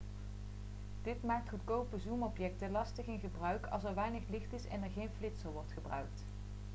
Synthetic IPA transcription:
d̥ɪtmaːk̚tχutkowpəzumɔpjɛk̚təlɑstəχɪnχəbrœɥkʰɑ̰lˠs̬ɛɹʋɛjnəχlɪχtɪsɛ̰nɛɹχejnflɪtsəlˠʋɔɹtχəbrœ̰ɥk̚t

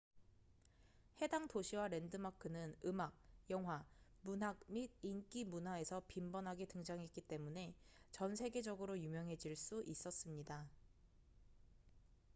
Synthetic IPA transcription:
he̞daŋtoɕʰiwaɾe̞ndɯmakʰɯnɯnɯmaɡ̚jʌŋɦwamunɦak̚mid̚ink͈imunɦwae̞sʰʌpimbʌnɦaɡetɯŋd͡ʑaŋɦek͈it͈e̞mune̞ | t͡ɕʌnsʰe̞ɡe̞d͡ʑʌɡɯɾojumjʌŋɦe̞d͡ʑiɭs͈uʔis͈ʌs͈ɯmɲida

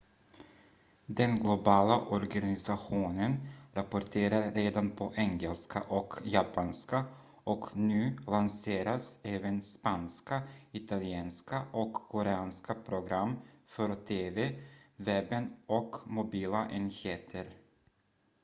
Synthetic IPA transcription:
d̪ɛnɡlʊbɑːlaʔɔɾɡanɪsaɧuːnənɾapʊʈʰeːɾaɾːeːd̪anpʰɔʔɛŋɛlska̰ʔɔkjapanska | ɔknʉ̟ːlanseːɾasɛːvənspanskaɪt̪alɪeːnskaʔɔkʰːɔɾɛɑːnskapʰɾʊɡɾamːfœɾt̪ʰeːvevɛbənɔkmʊbiːlaʔɛnheːt̪ʰəɾ

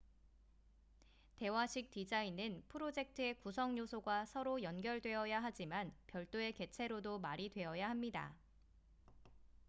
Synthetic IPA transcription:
te̞waɕʰik̚tid͡ʑainɯnpʰɯɾod͡ʑe̞k̚tʰɯe̞kusʰʌŋɲosʰoɡasʰʌɾojʌnɡjʌɭdwe̞ʌjaɦad͡ʑimanpjʌɭt͈oe̞ke̞t͡ɕʰe̞ɾodomaɾidwe̞ʌjaɦamɲida̰

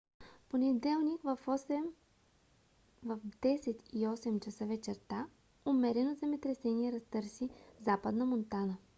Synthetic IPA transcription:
ponɛd̪ɛlˠnikvɐfɔsɛm | vɐvd̪ɛsɛt̪iɔsɛmt͡ʃɐsəvɛt͡ʃɛɾt̪a | omɛɾɛnod̪zɛmɛt̪ɾɛsɛniɛɾɐst̪ɤɾsivzapəd̪nəmont̪anə

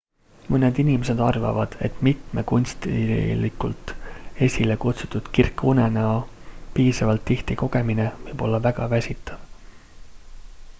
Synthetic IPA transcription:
mɤned̪inimese̞d̪ɑrvɑ̰vɑd̪̥e̞t̪ːˑmit̪me̞kunʲst̪likult̪ˑe̞sʲilekut̪sut̪ːud̪̥kirkːune̞neɑpiːsɑvɑlt̪ːiht̪iko̞ɡ̥e̞minevɤjb̥o̞lːɑvæɡ̥ɑvæsʲit̪ːˑɑv̥

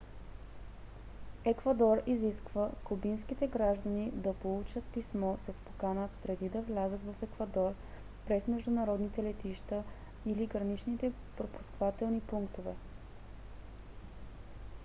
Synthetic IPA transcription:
ɛkvɐd̪ɔɾiziskvəkʊbinskit̪ɛɡɾaʒd̪ənid̪ɐpolˠut͡ʃət̪̚pismɔsɐspo̥kanəpɾɛd̪id̪ɐvlʲazət̪vɐfɛkvɐd̪ɔɾ | pɾɛsmɛʒd̪ʊnɐɾɔd̪nit̪ɛlɛt̪iʃt̪ə | iliɡɾɐnit͡ʃnit̪ɛ | pɾopu̥skvat̪ɛlˠnipuŋkt̪ovɛ̰

